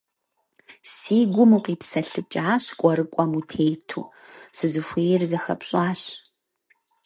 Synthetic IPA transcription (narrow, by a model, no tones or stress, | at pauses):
siːɡʷʊmuqiːpsɐɬɨt͡ʃʼaːɕkʷʼɔɾɨkʷʼɔmutʰeːjtʰṵː | sɨzɨxʷeːjɛrzɐxɐ̰pɕʼaːɕ